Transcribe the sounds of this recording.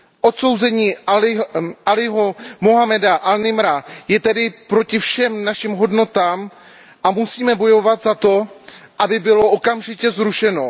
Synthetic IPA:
ʔo̞t̪so̞wzɛɲiː | ʔalɪɦomoɦamɛdaʔalnɪmɾajɛt̪ɛdɪpɾo̞cɪfʃɛmnaʃɪmɦo̞dno̞t̪aːm | ʔamusiːmɛbo̞jo̞vat̪zat̪o̞ʔabɪbɪlo̞ʔokamʒɪcɛzɾuʃɛno̞

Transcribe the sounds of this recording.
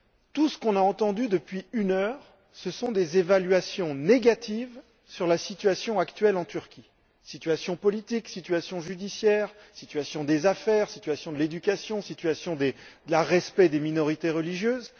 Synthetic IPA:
t̪usə̥kɔ̃naɑ̃t̪ɑ̃d̪yd̪əpɥiynœʁ | səsɔ̃d̪ezevalɥasjɔ̃neɡat̪ʰiv | syʁlasit̪ɥasjɔ̃akt̪ɥɛlɑ̃t̪yʁkʲi | sit̪ɥasjɔ̃pɔlit̪iksit̪ɥasjɔ̃ʒyd̪isjɛːʁsit̪ɥasjɔ̃d̪ezafɛʁsit̪ɥasjɔ̃d̪əled̪ykʲasjɔ̃sit̪ɥasjɔ̃d̪ed̪əlaʁɛspɛd̪eminɔʁit̪eʁəliʒjøːz

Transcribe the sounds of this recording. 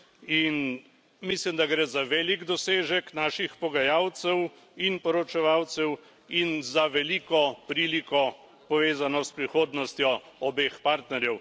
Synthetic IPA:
in | mislimd̪aɡɾɛzaʋeːliɡd̪ɔseːʒɛknaːʃixpɔɡajaːwt̪sɛw | inpɔɾɔt͡ʃɛʋawt̪sɛw | inzaʋɛlikɔpɾiːlikɔ | pɔʋeːzanɔspɾixoːd̪nɔst̪jɔɔbeːxpaɾt̪nɛɾjɛw

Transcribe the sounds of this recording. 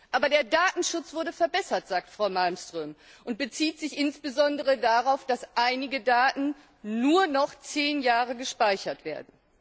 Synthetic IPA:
ʔaːbɐdeːɐdaːtn̩ʃʊt͡sv̥ʊɐdəfɛɐbɛsɐtz̥aːk̚tfʁ̥aʊmalmstʁ̥øːmʔʊnt̚b̥ət͡siːtz̥ɪçʔɪnsb̥əzɔndəʁədaʁaʊfd̥asʔaɪnɪɡədaːtn̩ | nuːɐnɔχt͡seːnjaːʁəɡəʃpaɪçɐtv̥eːɐdn̩

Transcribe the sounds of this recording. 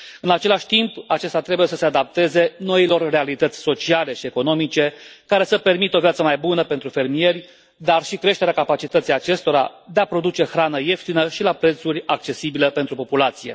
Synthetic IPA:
ɨnat͡ʃe̞laʃʲt̪impat͡ʃe̞st̪at̪ɾe̞buje̞səse̞ad̪ap̚t̪e̞ze̞no̞ilo̞rre̞alit̪ət̪sʲso̞t͡ʃiale̞ʃie̞ko̞no̞mit͡ʃe̞kaɾe̞səpe̞rmit̪o̞vjat̪səmajbunəpent̪ɾufe̞rmije̞rʲ | d̪arʃikɾe̞ʃt̪eɾeakapat͡ʃit̪ət̪sijat͡ʃe̞st̪o̞ɾa̰d̪e̞apɾo̞d̪ut͡ʃe̞xɾanəje̞ft̪inəʃilapɾe̞t̪suɾʲak̚t͡ʃe̞sibiləpent̪ɾupo̞pulat̪sije̞̰

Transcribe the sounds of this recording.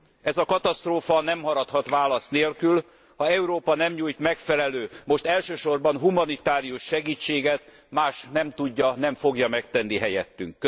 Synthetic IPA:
ɛzɒkɒt̪ɒst̪roːfɒnɛmhɒɾɒt̪hɒt̪ʋaːlɒst̪neːlkyl | hɒɛuɾoːpɒnɛmɲuːjt̪mɛkfɛlɛløːmo̞ʃt̪ɛlʃøːʃo̞rbɒnɦumɒnit̪aːɾijuʃʃɛɡiːt͡ʃːeːɡɛt̪ | maːʃnɛmt̪uɟːɒnɛɱfo̞ɡjɒmɛkt̪ɛnːiɦɛjɛ̰t̪ːy̰ŋkːø

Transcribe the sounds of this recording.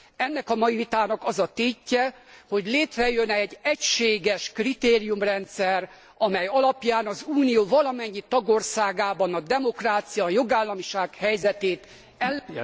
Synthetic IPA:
ɛnːɛkɒmɒjivit̪aːnɒkɒzɒt̪eːcːɛho̞ɟleːt̪rɛjønɛɟɛcʃeːɡɛʃkrit̪eːɾijumrɛnt̪sɛr | ɒmɛjɒlɒpjaːnɒzuːnijoːvɒlɒmɛɲːit̪ɒɡo̞rsaːɡaːbɒnɒd̪ɛmo̞kraːt̪sijɒjo̞ɡaːlːɒmiʃaːkhɛjzɛt̪eːt̪ | ɛlː

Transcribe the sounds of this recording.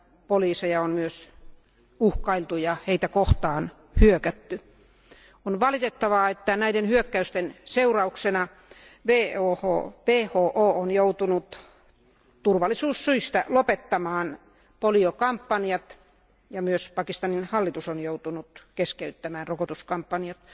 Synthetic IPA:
poliːsejɑonmyøs | uhkɑilt̪ujɑheit̪ækoht̪ɑːn | hyøkæt̪ːy | onʋɑlit̪et̪ːɑʋɑet̪ːænæidenhyøkːæyst̪enseurɑuksenɑ | ʋeːoːho̰ːʋeːhoːʔoːonjout̪unut̪ | t̪urʋɑlːˑisuːssyist̪ælopet̪ːɑmɑːn | poliokɑmpːɑnjɑt̪ | jɑmyøspɑkist̪ɑninhɑlːit̪usonjout̪unut̪keskeyt̪ːæmæːnrokot̪uskɑmpːɑnjɑt̪

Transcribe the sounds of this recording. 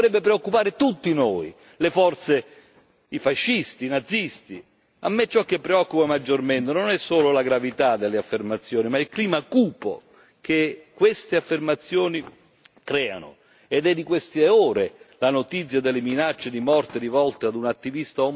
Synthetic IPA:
oɾɛbːepɾeokːupaːɾɪt̪ut̪ːinoːi | lefɔrt̪se | ifaʃːist̪inad̪zːist̪i | a̰mːet͡ʃːɔk̟ːepːɾeɔkːupamad͡ʒːorment̪ɪnonɛsːoːlolaɡɾavit̪ad̪elːeafːermat̪sːjoːnimailkliːmakuːpo̰ | kʰekːwest̪eafːermat̪sːjoːni | kɾɛːa̰nʊ̰ | ed̪ɛd̪ːikwest̪eɔːɾelanot̪it̪sːjad̪elːɪminat͡ʃːed̪imɔrt̪ɪɾivɔlt̪ead̪unat̪ːivist̪aɔ

